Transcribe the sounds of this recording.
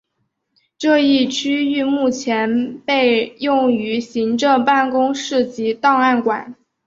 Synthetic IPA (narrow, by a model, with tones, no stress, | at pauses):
ʈ͡ʂɤ˥˧i˥˩t͡ɕʰy˥y˥˧mu˥˩t͡ɕʰjɛ˧˥npe˥˧ɪjʊ˥˩ŋy˧˥ɕi˧˥ŋʈ͡ʂɤ˥˧ŋpa˥˩nkʊ˥ŋʂɻ̩˥˩t͡ɕi˧˥t̪ɑ˥˧ŋa˥˩nkwa̰˨˩˦n